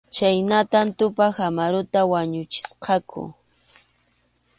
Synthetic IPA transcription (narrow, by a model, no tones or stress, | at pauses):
t͡ʃajnat̪ant̪ʊpaxamaɾʊt̪awaɲʊt͡ʃɪ̥sqɑkʰʊ̰